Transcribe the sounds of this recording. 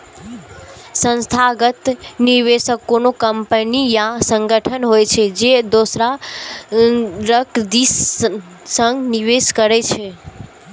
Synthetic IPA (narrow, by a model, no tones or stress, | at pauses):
sə̃nst̪ʰaɡət̪niɾʋeʃəkonokəmpənijasə̃ŋɡəʈʰənɦojt͡ʃʰed͡ʒed̪osɾa | ɾəkd̪is | sə̃ŋɡniʋeʃkəɾet͡ʃʰe